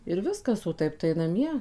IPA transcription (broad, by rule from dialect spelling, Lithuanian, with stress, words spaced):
ɪr ˈʋʲɪskɐs oː ˈtɐɪp tɐɪ nɐˈmʲiɛ